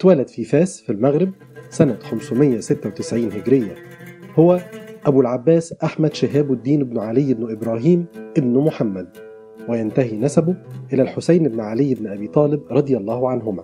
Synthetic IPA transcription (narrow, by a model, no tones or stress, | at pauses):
t̪wælæd̪fiːfæːsfilmæɣɾɪb̚ | sænæxæmsʊmɪjːæsɪt̪ːæwt̪ɪsʕiːnhɪɡɾɪjːæ | hʊwæʔæbulʕabːæːsʔaħmæd̪ʃɪɦæːbɪd̪ːiːnɪbnʕalɪjːɪbnʔɪbɾˤɑːɦiːmʔɪbnmʊħamːæd̪̚ | wɪjænt̪æɦinæsæbʊʔɪlælħosajnʔɪbnʕalɪjːɪbnɪʔæbiːt̪ˤɑːlɪbɾˤɑd̪ˤɨjɑlˤːɑːhʊʕanɦʊmæː